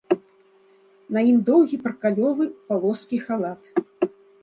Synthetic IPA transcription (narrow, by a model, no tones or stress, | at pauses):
nɐjimd̪ɔwɣʲipɾkalʲɔvɨpalˠɔskʲixalˠat̪